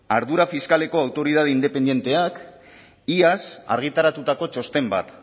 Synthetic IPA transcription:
aɾðuɾafiskale̞ko̞awt̪o̞ɾiðað̞eind̪e̞pe̞nd̪je̞nt̪e̞ak | iasa̰ɾɣ̞it̪aɾat̪ut̪ako̞t͡ʃo̞st̪e̞mba̰t̪

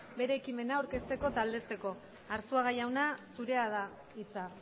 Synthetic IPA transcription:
be̞ɾe̞ːkime̞naoɾke̞st̪e̞ko̞t̪ald̪e̞t͡se̞ko̞ | aɾsoaɣajawnasuɾe̞aða | it͡sa

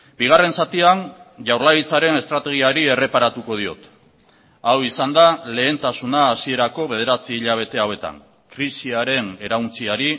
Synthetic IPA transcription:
biɣ̞are̞nsat̪ianʝawɾlait͡saɾe̞ne̞st̪ɾat̪e̞ɣ̞iaɾie̞re̞paɾat̪uko̞ð̞io̞̰t̪ | awisand̪ale̞ːnt̪asunaːsie̞ɾako̞βe̞ðe̞ɾat͡siːʎaβ̞e̞t̪e̞awe̞t̪a̰ŋ | kɾisiaɾe̞ne̞ɾawnt͡siaɾi

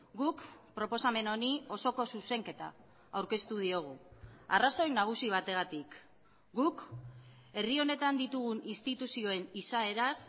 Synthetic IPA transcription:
ɡukpɾo̞po̞same̞no̞nio̞so̞ko̞suse̞ŋke̞t̪a̰ː | wɾke̞st̪uð̞io̞ɣ̞uaraso̞jnaɣ̞usiβ̞at̪e̞ɣ̞at̪ik | ɡuk | e̞rio̞ne̞t̪and̪it̪uɣ̞uninst̪it̪usio̞e̞nisae̞ɾas

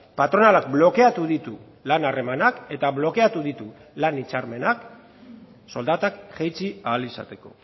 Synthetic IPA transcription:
pat̪ɾo̞nalak̚blo̞ke̞at̪uðit̪u | lanare̞manake̞t̪aβlo̞ke̞at̪uðit̪u | lanit͡saɾme̞nak | so̞ld̪at̪akʝejt͡siaːlisa̰t̪e̞ko̞̰

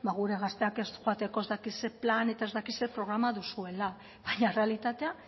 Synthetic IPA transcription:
baɣ̞uɾe̞ɣ̞ast̪e̞ake̞sxoat̪e̞ko̞e̞zd̪akise̞plane̞t̪ae̞zd̪akise̞pɾo̞ɣ̞ɾamaðusue̞la | βaɲare̞alit̪at̪e̞a

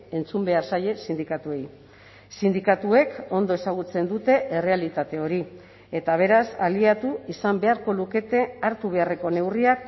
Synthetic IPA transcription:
e̞nt͡sumbe̞aɾsaʎe̞sind̪ikat̪uej | sind̪ikat̪ue̞ko̞nd̪oe̞saɣ̞ut͡se̞nd̪ut̪e̞ʔere̞alit̪at̪e̞o̞ɾi | e̞t̪aβ̞e̞ɾasaliat̪uisambe̞aɾko̞luke̞t̪e̞aɾt̪uβ̞e̞are̞ko̞ne̞wriak̚

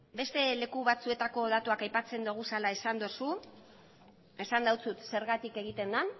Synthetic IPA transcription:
be̞st̪e̞le̞kuβat͡sue̞t̪ako̞ð̞at̪uakajpat͡se̞nd̪uɣusalae̞sand̪o̞su | e̞sand̪awt͡sut̪se̞ɾɣat̪ike̞ɣit̪e̞nd̪an

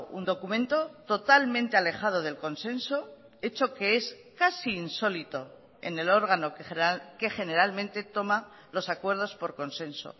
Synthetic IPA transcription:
ṵnd̪o̞kumẽ̞nt̪o̞t̪o̞t̪almẽnt̪e̞ale̞χað̞o̞ð̞e̞lko̞nse̞nso̞ | e̞t͡ʃoke̞es | kasiːnso̞lit̪o̞ | ḛne̞lo̞ɾɣ̞ano̞kke̞χe̞ne̞ɾalmẽ̞nt̪e̞t̪o̞ma | lo̞sakwe̞ɾð̞o̞spo̞ɾko̞nse̞nso̰

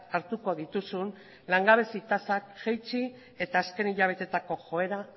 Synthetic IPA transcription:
aɾt̪uko̞ð̞it̪usun | laŋɡaβe̞sit̪asakʝejt͡si | e̞t̪aːske̞niʎaβ̞e̞t̪e̞t̪ako̞xo̞e̞ɾa

